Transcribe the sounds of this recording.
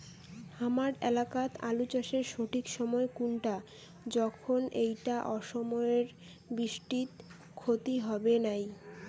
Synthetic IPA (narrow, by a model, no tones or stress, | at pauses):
hamaɾɛlakat̪alut͡ɕaʃeɾʃoʈʰikʃɔmɔekunʈa | d͡ʑɔkʰonejʈaʔɔʃɔmɔeɾ | biʃʈit̪ | kʰot̪iɦɔbenaj